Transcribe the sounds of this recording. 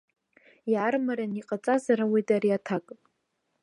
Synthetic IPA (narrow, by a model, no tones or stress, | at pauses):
jarmaɾaniqʼat͡sʼazaɾawejtʼaɾiatʰakʼ